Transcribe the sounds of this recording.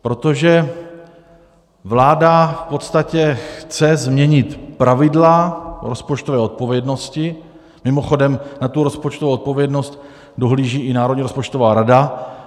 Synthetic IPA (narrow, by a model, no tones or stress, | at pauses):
pɾo̞t̪o̞ʒɛ | vlaːdafpo̞t̪st̪acɛxt͡sɛzmɲɛɲɪt̪pɾavɪdlaɾo̞spo̞t͡ʃt̪ovɛːo̞t̪̚po̞vjɛdno̞scɪ | mɪmo̞xo̞dɛmnat̪uɾo̞spot͡ʃt̪ovouot̪̚po̞vjɛdno̞st̪ | do̞ɦliːʒiːʔɪnaːɾodɲiɾo̞spo̞t͡ʃt̪ovaːɾada